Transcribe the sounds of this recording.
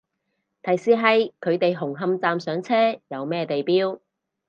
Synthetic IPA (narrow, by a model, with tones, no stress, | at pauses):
t̪ʰɐ˨˩jsiː˧ɦɐ˨jkʰɵ˨˧ɥt̪e˨jɦʊ˨˩ŋɦɐ˧mt͡saː˨msœː˨˥ŋt͡sʰɛː˥jɐ˨˧wmɛː˥t̪e˨jpiː˥w